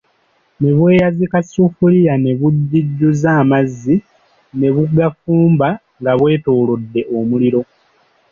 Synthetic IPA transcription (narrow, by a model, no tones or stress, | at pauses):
ne̞βwe̞ːjazikasufulijane̞βuɟːiɟːuzaːmazːi | ne̞βuɡafuːmba | ŋɡaβwe̞ːto̞ːlo̞dːe̞ʔo̞muliɾo̞